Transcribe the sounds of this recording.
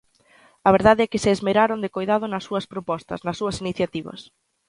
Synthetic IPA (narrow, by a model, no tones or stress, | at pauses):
ɐβ̞eɾðaðeɛkɪseːzmeɾaɾond̪ekojðað̞ʊnɐsːuɐspɾopɔst̪ɐ̰snɐsːuɐsiniθjat̪iβɐ̰s